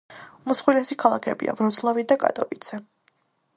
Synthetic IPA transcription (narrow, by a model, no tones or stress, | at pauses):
musχwilɛsikʰalˠakʰɛbḭa̰vɾɔd̪zlˠavid̪akʼa̰t̪ʼɔvid̪z̥ɛ